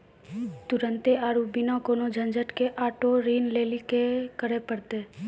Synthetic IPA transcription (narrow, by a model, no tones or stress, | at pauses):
t̪ʊɾə̃nt̪eaːɾubinakoːnod͡ʒʱə̃nd͡ʒəʈkeʔaːʈoɾiːnleːlikekəɾepəɽt̪e